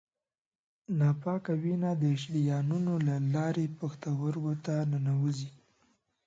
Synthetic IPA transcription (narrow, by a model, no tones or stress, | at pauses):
nɑpɑkawinad̪əɪʃ̬ɽijɑnunolalɑɾepaxt̪awəɾɡot̪anənawəzi